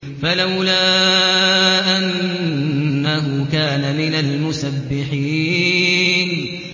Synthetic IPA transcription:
falawlaː | ʔanː | aɦʊkaːnamɪnalmʊsabːɪħiː | n

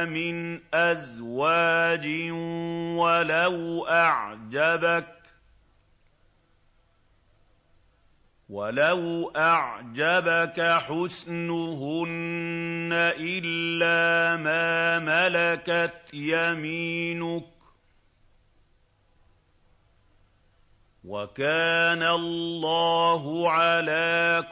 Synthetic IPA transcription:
mɪnʔazwaːd͡ʒɪ | walawʔaʕd͡ʒabak | walawʔaʕd͡ʒabakaħʊsnʊɦʊnː | aʔɪlːaːmaːmalakat̪jamiːnʊk | wakaːnallːɑːɦʊʕalaː

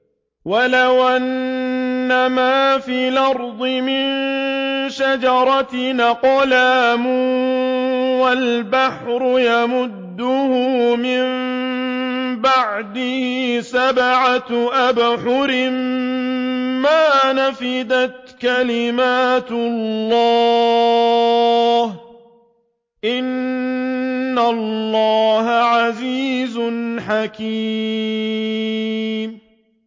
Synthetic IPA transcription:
walawʔanː | amaːfiːlɑɾˤd̪ˤɨmɪn | ʃad͡ʒɑɾˤɑt̪naqɑlaːmʊ | walbaħɾʊjamʊd̪ːʊhʊmɪm | baʕd̪ɪhɪsabaʕat̪ʔabħʊɾɪm | aːnafɪd̪at̪kalɪmaːt̪lllːɑː | h | ʔɪn | alːɑːhaʕaziːzʊnħakiː | m

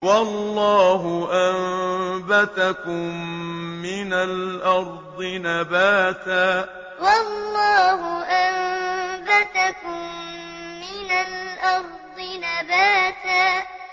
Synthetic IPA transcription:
wɑlːɑːɦʊʔambat̪akʊmː | ɪnalʔɑɾˤd̪ˤɨnabaːt̪aː | wɑlːɑːɦʊʔambat̪akʊmː | ɪnalʔɑɾˤd̪ˤɨnabaːt̪aː

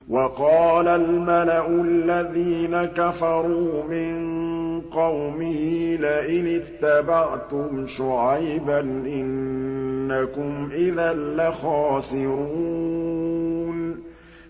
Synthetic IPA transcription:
wʔɑqɑːlalmalaʔʊlːaðiːnakafɑɾˤuːmɪnqɑwmɪhilaʔɪnɪt̪ːabaʕt̪ʊmʃʊʕajbanʔɪnː | akʊmʔɪðanːaxaːsɪɾu | n

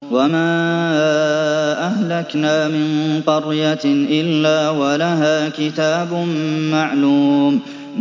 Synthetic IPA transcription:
wamaː | ʔahlaknaːmɪnq̪ɑɾjaʔɪlːaːwalaɦaːkɪt̪aːbʊnmaʕluːm

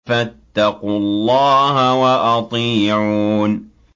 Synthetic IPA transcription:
fat̪ːɑqʊlːɑːɦawaʔɑt̪ˤiːʕuːn

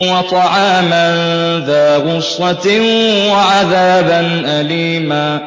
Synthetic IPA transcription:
wat̪ˤɑʕaːmanðaːɣʊsːɑtɪnwaʕaðaːbanʔaliːmaː

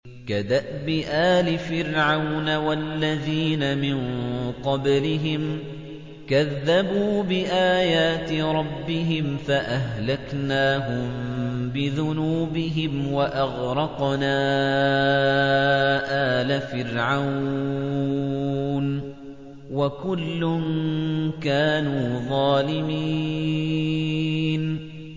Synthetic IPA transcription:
kad̪aʔbɪʔaːlɪfɪɾʕawnawalːaðiːnamɪnqɑblɪɦɪm | kaðːabuːbɪʔaːjaːt̪ɪɾˤɑbːɪɦɪmfaʔaɦlaknaːɦʊmbɪðʊnuːbɪɦɪmwaʔɑɣɾˤɑqnaː | ʔaːlafɪɾʕaww | n | wakʊlːʊnkaːnuːðˤɑːlɪmiː | n

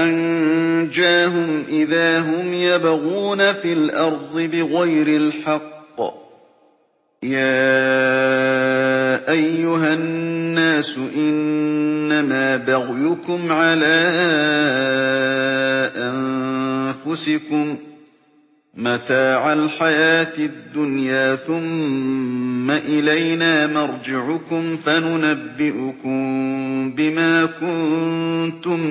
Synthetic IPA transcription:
ʔand͡ʒaːɦʊmʔɪðaːɦʊmjabaɣuːnafiːlʔɑɾˤd̪ˤɨbɪɣajɾɪlħɑqː | jaː | ʔajːʊɦaːaːsʊʔɪnː | amaːbaɣjʊkʊmʕalaː | ʔan | fʊsɪkʊm | at̪aːʕalħajaːt̪ɪd̪ːʊnjaːθʊmː | aʔɪlajnaːnɑɾˤd͡ʒɪʕʊkʊmfanʊnabːɪʔʊkʊmbɪmaːkʊnt̪ʊm

